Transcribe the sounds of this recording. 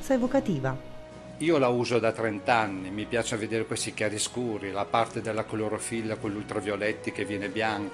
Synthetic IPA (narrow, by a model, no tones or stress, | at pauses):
saevokat̪iːva | iːolauːzod̪at̪ɾɛnt̪anːimipjaːt͡ʃaved̪eːɾekwejsikjaːɾiskuːɾilapart̪ed̪elːakoloɾofilːakolːult̪ɾovjolɛt̪ːik̟evːjɛːnebjaŋk